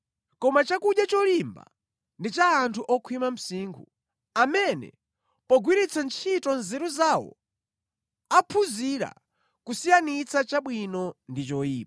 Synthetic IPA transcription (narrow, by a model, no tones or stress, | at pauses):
kɔmat͡ʃakuɗjat͡ʃɔlimba̰ | ndit͡ʃaːntʰuʔɔkʰwimam̩siːŋɡʰu | amɛnɛ̰ | pɔɡwiɾit͡sʰant͡ʃʰitɔnzɛɾuzawɔ̰ | apʰuziɾa̰ | kusijanit͡sʰat͡ʃaɓwinɔndit͡ʃɔiː